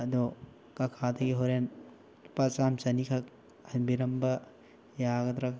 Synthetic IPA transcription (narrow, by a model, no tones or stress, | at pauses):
ɐdɔ | kɐkʰadɐɡiɦoɾen | pat͡ʃamsɐnikʰak̚ | hɐnbiɾɐmbɐ | jaɡɐd̪ɾak